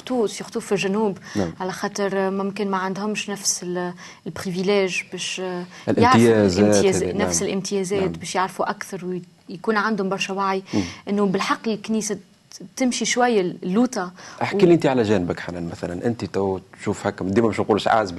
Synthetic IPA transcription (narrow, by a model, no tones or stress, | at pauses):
xt̪uːt̪fixt̪ˤuːtfilʒænuːbnʕalæxɑːt̪ˤəɾmɪmkɪnmæʕand̪hʊmʃnæfsɪ | ɪlbɾivilɛːʒbɛːʃ | lʔaʕɾjɛzɛːnæfsɪlʔɪmt̪ɪjɛzɛːt̪bɛːʃjaʕɾfuʔakθɑɾˤw | jkuːnʕand̪hʊmbɑɾˤʃæwaʕjʔɪnːubɪlħɑqːkːniːsa | t̪ɪmʃiʃwæjːalːuːt̪ɑʔaħiliʔnt̪iʕalæʒæːnɪbəkħanænmæθælænʔɪnt̪it̪æwtʃuːfhækːmd̪iːmæmɪʃmquːlʃʕa̰ːzb